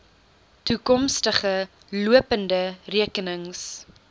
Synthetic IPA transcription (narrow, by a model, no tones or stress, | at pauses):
tukɔmstəχə | luəpəndəriəkənəŋs